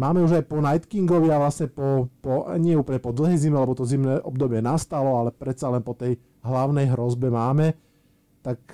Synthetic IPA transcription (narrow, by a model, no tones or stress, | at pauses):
maːmɛuʒajpɔnajt̪kiŋɡɔʋiaʋlasɲɛpɔpɔa̰ɲɪɛuːpəlɲɛpɔd̪l̩ˠɦɛjzimɛlɛbɔt̪ɔzimnɛːʔɔbd̪ɔbɪɛnast̪alɔalɛpɾɛt̪t͡salɛnpɔt̪ɛj | ɦlaʊnɛjɦɾɔzbɛmaːmɛ | t̪ak̚